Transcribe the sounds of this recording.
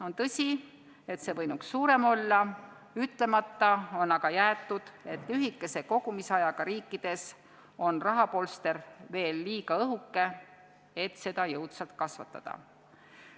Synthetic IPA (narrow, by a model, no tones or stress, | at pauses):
o̞nt̪ɤsʲi | e̞t̪se̞vɤjnuksːuːɾe̞mo̞lːɑ | yt̪le̞mɑt̪ːɑo̞nɑɡ̥ɑjæːt̪ːˑud̪̥e̞t̪ˑlyɦikːˑe̞se̞ko̞ɡ̥umisɑjɑɡ̥ɑɾiːkːˑid̪̥e̞s | o̞nrɑɦɑpo̞lst̪e̞rve̞ːlːiːɡ̥ɑɤɦukːe̞ | et̪ːˑse̞d̪ɑjɤwt̪sɑlt̪kɑsvɑ̰t̪ːˑɑ̰d̪̥ɑ̰